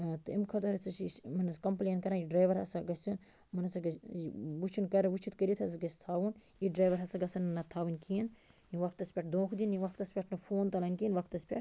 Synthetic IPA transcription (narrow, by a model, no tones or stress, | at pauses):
t̪ɨimkʰɐt̪ɐɾɐt͡sʰusmɐnɐskɐmpleːnkɐɾãiɖɾaːjʋɐɾɐsaɡɐst͡ʃin | mɐnɐsɐɡɐʋut͡ʃʰunkɐɾɐʋut͡ʃʰit̪kɐɾit̪ʰɐsɡɐst̪ʰaːʋun | iɖɾaːjʋɐɾɦɐsaɡɐsɐnnːɐt̪ʰaːʋunʲkiːn | iʋɐk̚t̪ɐspʲeʈ̚ʰd̪õːkʰd̪iniʋɐkʰt̪ɐspʲeʈʰnɐfʰoːnt̪ɐlɐnʲkiːnʋɐkʰt̪ɐspʲḛʈ